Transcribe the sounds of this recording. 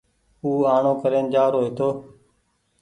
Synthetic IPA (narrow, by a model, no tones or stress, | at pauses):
uːaːɳõːkəɾeːnd͡ʒaːɾoːeːt̪ʰoː